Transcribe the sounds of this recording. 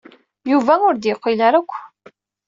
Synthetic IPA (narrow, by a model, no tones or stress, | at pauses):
juvæʊɾd̪jəqːilaɾækʷː